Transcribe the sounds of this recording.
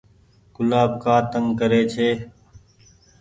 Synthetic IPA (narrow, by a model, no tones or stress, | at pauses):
kʊlaːbkaːt̪əŋɡkəɾeːt͡ʃʰeː